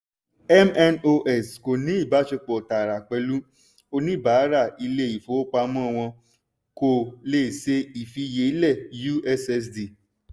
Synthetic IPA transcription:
ɛ˦mɛ˦no˧ʔɛ˨sko˨nĩ˨˦i˦˨ba˨˦ʃe˧k͡pɔ˨ta˨ɾa˨k͡pɛ˧lu˦ | o˧nĩ˦˨ba˨˦ɾa˦˨i˧le˦i˦˨fo˨˦k͡pa˧mɔ̃˦˨w̃ɔ̃˧ | ko˧˨le˦˨se˦i˨fi˧je˨˦i˦lɛ˦˨ju˦ɛ˧sɛ˧s̬di˨

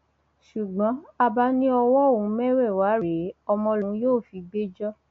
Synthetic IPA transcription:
ʃu˨ɡ͡bɔ̃˨˦a˧ba˧˦nĩ˦ɔ˧wɔ˦˨ũ˨˦mɛ˦ɾɛ˦˨wa˨˦ɾe˨˦ɔ˧mɔ̃˧lũ˨˦joː˦˨fi˨˦ɡ͡be˦d͡ʒɔ˦

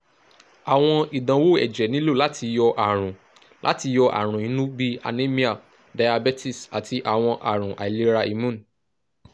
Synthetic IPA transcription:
a˨w̃ɔ̃˧i˨dã˨˦wo˦˨ɛ̰˨d͡ʒɛ˨nĩ˦lo˦˨la˨˦tʰi˧jɔ˧ʔa˨ɾ̃ũ˨ | lʔa̰˦ti˧jɔ˧ʔa̰˨ɾ̃ũ˨ĩ˨˦nũ˦bi˦a̰˨nẽ˦mĩ˦a˨ | da˧ja˧bɛ˦ti˦˨sa˨tʰi˧ʔa˨w̃ɔ̃˧ʔa˨ɾ̃ũ˨ʔa̰˨i˨le˨˧ɾa˧i˨mũ˦˨n˨

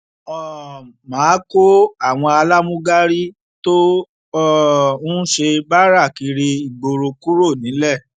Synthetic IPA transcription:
ɔ˨ | mãː˨˦ko˦a˦˨w̃ɔ̃˧a˧la˦mũ˦ɡa˦ɾi˦ | to˦ | ũ˦ʃe˧ba˦ɾa˦˨ki˧ɾi˧i˨ɡ͡bo˧ɾo˧ku˦ɾo˦˨nĩ˨˦lɛ˦˨

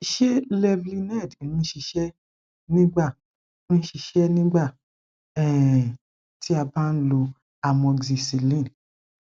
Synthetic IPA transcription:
i˨ʃe˦lɛ˧vli˧nɛ˦˨dnũ˦ʃi˧ʃɛ˦ | nĩ˦ɡ͡ba˦˨ | nũ˦ʃi˧ʃɛ˦nĩ˦ɡ͡ba˦˨ | ɛ˦˨ | ti˦a˧ba˦n̩˦lo˧ | a˨mɔ̃˧ɡzi˨si˨lĩ˦˨n˨

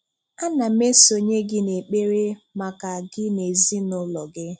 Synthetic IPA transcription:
a˦na˨me˦so˨ɲe˦ɡɪ˦ne˨k͡pe˦ɾe˦ma˨ka˨ɡɪ˦ne˨zi˦nʊ˦lɔ˨ɡɪ˦

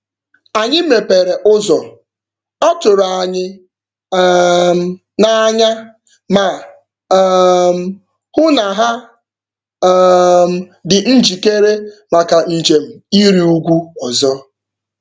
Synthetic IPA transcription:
a˨ɲɪ˦me˨pe˨ɾe˨ʔʊ˦zɔ˨ | ɔ˦tʊ˨ɾa˨a˨ɲɪ˦ | m˦ | na˨˦ɲa˦ | ma˨˦ | m̩˦ | hʊ˦na˨ɦa˦ | m̩˨ | dɪ˨n̩˦d͡ʒi˨ke˦ɾe˦ma˨ka˨n̩˨d͡ʒe˨m̩˨i˦ɾi˦u˦ɡʷu˦ɔ˨zɔ˦

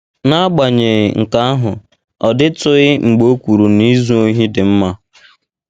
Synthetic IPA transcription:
na˦ɡ͡ba˨ɲe˨ŋ̩˨ka˦a˦ɦʊ˨ | ɔ˨dɪ˦tʊ˦ɪ˦ŋ͡m̩˨ɡ͡bo˦kʷu˨ɾu˨ni˦zu˦o˦ɦi˦dɪ˨m̩˦ma˦

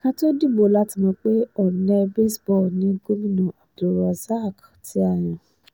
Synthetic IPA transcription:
kã˦to˦di˦˨bo˨˦la˦ti˧˦mɔ̃˧˦k͡pe˦ɔ˨nɛ˧be˦sbɔ˦˨nĩ˨˦ɡo˦mĩ˦˨nũ˨a˨do˨˦ɾɔ˧za˦˨k | tʰi˦a˦˨j̃ĩ˨

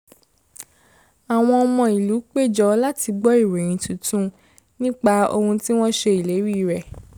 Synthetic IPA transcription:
a˨w̃ɔ̃˧ɔ˧mɔ̃˧i˨lu˨˦k͡pe˦˨d͡ʒɔ˧la˦ti˧ɡ͡bɔ˦i˦˨ɾẽ˨ɾ̃ĩ˨˧tũ˨˧˨tũ˦ | nĩ˦k͡pa˧o̰˧hũ˧ti˦w̃ɔ̃˦ʃe˧i˨le˨˦ɾi˦˨ɾɛ˨

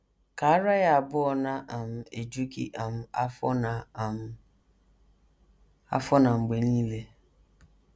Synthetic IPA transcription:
ka˨a˦ɾa˦ja˨a˨bʊ˦ɔ˨na˦ʔa˨m̩˦e˨d͡ʒu˦kḭ˦ʔa˨m̩˦a˦fn˨ | a̰˦fɔ˦na˨ŋ͡m̩˨ɡ͡be˨niː˦le˦

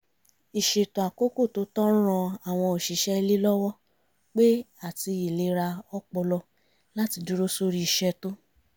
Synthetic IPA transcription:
i˨ʃe˨tõ˨a˨ko˦ko˦˨to˨˧˦tɔ̃˦ɾ̃ɔ̃˧a˨w̃ɔ̃˧o˨ʃi˨˦ʃɛ˦i˧li˦lɔ˦wɔ˦ | k͡pe˦ | a˦˨ti˧i˨le˧ɾa˧ɔ˦k͡pɔ˧lɔ˧ | la˦ti˧du˦ɾo˦so˦ɾi˦i˨ʃɛ˧to˦

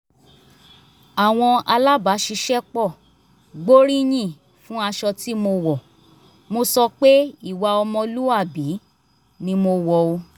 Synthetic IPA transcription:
a˨w̃ɔ̃˧a˧la˦ba˨˦ʃi˧˦ʃɛ˦k͡pɔ˦˨ | ɡ͡bo˦ɾĩ˦j̃ĩ˦˨ | fũ˦a˧ʃɔ˧ti˦mo˧wɔ˨ | mo˧sɔ˧k͡pe˦i˦˨wa˧ɔ˧mɔ̃˧lu˦a˦˨bi˨˦ | nĩ˧mo˧wɔ˧o˧

